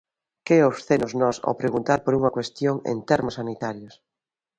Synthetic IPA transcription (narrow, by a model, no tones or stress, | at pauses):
keofsθenʊznɔso̰pɾeɣunt̪aɾpoɾuŋɐkwest̪joŋḛnt̪eɾmʊsːanit̪aɾjʊs